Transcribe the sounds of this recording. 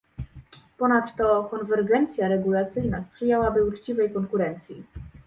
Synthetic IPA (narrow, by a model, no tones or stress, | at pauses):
pɔnat̪ːɔkɔnvɛɾɡɛnt̪sʲjaɾɛɡulat̪sɘjnaspʂɘjawabɘut͡ʂt͡ɕivɛjkɔŋkuɾɛnt̪sʲji